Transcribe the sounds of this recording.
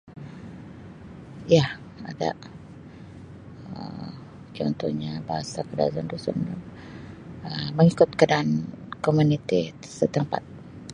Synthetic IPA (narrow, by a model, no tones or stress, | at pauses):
iah | ada̰ʔ | ə | t͡ʃɔnt̪ɔhɲabaɦasakədazandusun | əməŋikʊt̪̚kadaʔankomunit̪isət̪əmpa̰t̪̚